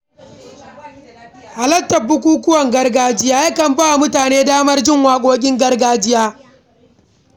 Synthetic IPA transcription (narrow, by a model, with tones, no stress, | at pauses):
ʔa˨lɐ˦tːɐ˨bːʊ˦kʷuː˦kʷʊ˦wɐ˨ŋɡɐ˦rɡaː˦d͡ʒɪ˦jaː˦jɐ˦kɐ˨mba˦˨mʊ˦taː˨neː˦daː˦mɐ˦rd͡ʒɪ˦˨ŋwaː˨kʷʼoː˦kʲʼɪ˦ŋɡɐ˦rɡaː˦d͡ʒɪ˦jaː˦